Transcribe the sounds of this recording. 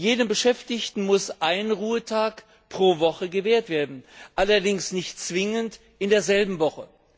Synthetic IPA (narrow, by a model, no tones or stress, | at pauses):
jeːnəmbəʃɛftɪçtn̩mʊsʔaɪnʁuːətʰaːk | pʁ̥oːvɔχəɡəveːɐtv̥eːɐdn̩ʔalɐdɪŋsnɪçtt͡sv̥ɪŋənt | ʔɪndeːɐzɛlbm̩vɔχə